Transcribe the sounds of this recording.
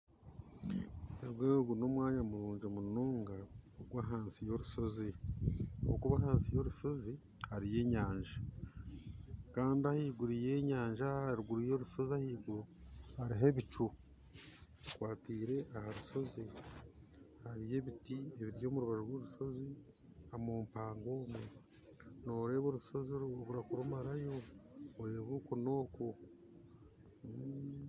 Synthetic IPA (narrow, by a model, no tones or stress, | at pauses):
eɡweːɡuno̞mwaːɲamuɾuːɲd͡ʒomunoːŋɡaoɡwaɦaːnsijo̞ɾuʃo̞zi | ookuβaɦaːnsijo̞ɾuʃo̞zi | haɾije̞ːɲaːɲʒa | kaːndiahiːɡuɾije̞ːɲaːɲʒaɾuɡuɾijo̞ɾuʃo̞ziahiːɡuɾuhaɾiɦeβit͡ʃu | kwaːtiːɾe̞ʔahaɾuʃo̞zi | haɾije̞βitie̞βiɾjo̞ːmuɾuβaɾoɾwoɾuʃo̞zi | amoːmpaːŋɡo̞ːmwe | no̞ɾe̞ːβo̞ːɾuso̞ziooβuɾakuɾomaɾajo̞ːɾe̞ːβoːkono̞ːko̞